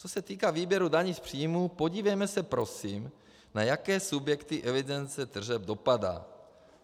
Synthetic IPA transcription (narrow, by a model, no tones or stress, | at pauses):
t͡sosɛt̪iːkaːviːbjɛɾudaɲispr̥iːjmuːpoɟiːvɛjmɛsɛpɾosim | najakɛːsubjɛkt̪iʔɛvidɛnt͡sɛt̪r̩ʒɛbdo̞pada̰ː